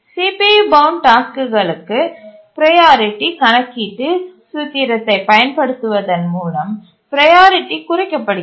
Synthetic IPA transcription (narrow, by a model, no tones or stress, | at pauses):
siːpibɐwʊnʈaːskɯɣɐɭɯkːɯpɪɾɐjaːɾɪʈːikɐnɐkːiːʈːɯsut̪iɾɐt̪ːɐɪpɐjɐnpɐɽɯt̪ːɯʋɐðɐnmuːlɐm | pɪɾɐjaːɾɪʈːikʊɾɐkːɐpːɐɽɯ